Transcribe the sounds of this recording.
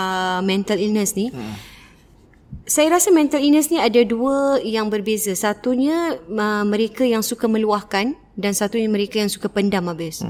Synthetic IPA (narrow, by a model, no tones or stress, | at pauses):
əmɛ̃nt̪alinəsni | sajaɾasamɛ̃nt̪alinəsniadaduəjaŋbərbezasat̪uɲãəmə̃ɾekajaŋsukamə̃luahkan | dansat̪uɲamə̃ɾekajaŋsu̥kapəndamabɪs